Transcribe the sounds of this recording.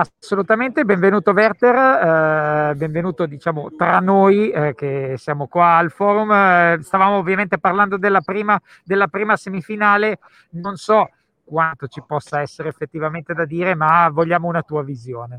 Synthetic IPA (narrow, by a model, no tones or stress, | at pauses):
asːolut̪ament̪ebeɱvenuːt̪ovɛrt̪er | beɱvenuːt̪od̪it͡ʃaːmot̪ɾanːojkesjaːmokwaːlfɔːɾumst̪avaːmoːvːjament̪eparland̪od̪elːapɾiːma | d̪elːapɾiːmasemifinaːle | nonsɔ | kwant̪ot͡ʃipɔsːaɛsːeɾeːfːet̪ːivament̪ed̪ad̪iːɾemavoʎːaːmounat̪uːavizjoːne